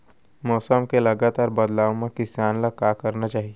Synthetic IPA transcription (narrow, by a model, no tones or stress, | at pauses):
mɔːsəmkelɐɡaːt̪aːɾbɐd̪laːwmẽkɪsaːnlakaːkɐɾnat͡ʃaːɦie